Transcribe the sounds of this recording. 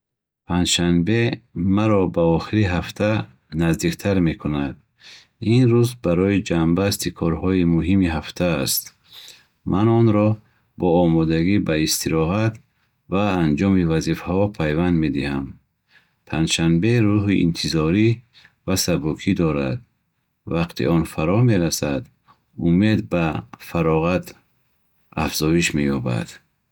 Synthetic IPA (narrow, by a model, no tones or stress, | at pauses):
pʰand͡ʒʃanbe̞maɾɔbaɔχiɾiɦaft̪ʰa | nazd̪ikt̪ʰaɾme̞kʰunad̪̥̚ | inɾuzbaɾɔid͡ʒambast̪ikʰɔɾhɔimuɦimiɦaft̪ʰaːst̪ | mʔanɔnɾɔ | bɔːmɔd̪aɡibaist̪ʰiɾɔɦat̪ | vaːnd͡ʒɔmivazifahɔpʰajvand̪me̞d̪iham | pʰand͡ʒ̪ʃanbe̞ɾuɦiʔḭnt̪ʰizɔɾi | vasabukʰid̪ɔɾa̰d̪ | vaqt̪ʰḭʔɔnfaɾɔme̞ɾasad̪ | ume̞d̪bafaɾɔʁat̪ | a̰fz̥ɔiʃmejɔba̰d̪̥